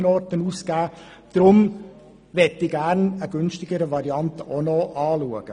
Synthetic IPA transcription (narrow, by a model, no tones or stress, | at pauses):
nɔɾtənuːskæː | d̥ɾʊm | ʋɛtːɪɡæɾnəɡ̥ʏnʃtɪɡəɾəʋɑɾiɑntəʔonoːʔɑːluəɡ̥ə